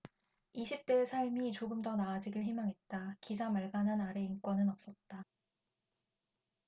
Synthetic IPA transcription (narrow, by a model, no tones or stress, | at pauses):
iɕʰip̚t͈esʰaɭmit͡ɕoɡɯmdʌnaːd͡ʑiɡɯɭɦimaŋɦe̞t̚t͈akid͡ʑamaɭɡanɦanaɾe̞inkwʌnɯnʌp̚s͈ʌt̚t͈a